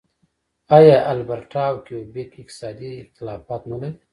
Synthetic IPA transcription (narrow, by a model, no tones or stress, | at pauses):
ajaʔalbaɾʈaːwkeobekɪqt̪ɪ̥sɑːd̪iɪxt̪ɪlɑːfɑːt̪nalaɾi